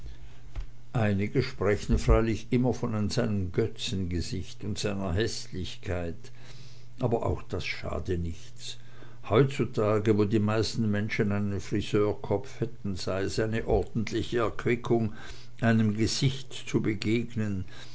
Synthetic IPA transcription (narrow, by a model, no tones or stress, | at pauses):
ʔaɪnɪɡəʃpʁ̥ɛçn̩fʁ̥aɪlɪçʔɪmɐfɔnz̥aɪnəmɡœt͡sn̩ɡəzɪçtʊntz̥aɪnɐɦɛslɪçkʰaɪt | ʔaːbɐʔa̰ʊxd̥asʃa̰ːdənɪçt͡s | hɔʏtt͡sutʰaːɡəvoːdiːmaɪstn̩mɛnʃən̩aɪnənfʁ̥iz̥øːɐkʰɔfhɛtn̩z̥aɪəsaɪnəʔɔɐdn̩tʰlɪçəɛɐkʰv̥ɪkʰʊŋ | ʔaɪnəmɡəz̥ɪçtt͡subəɡeːɡnən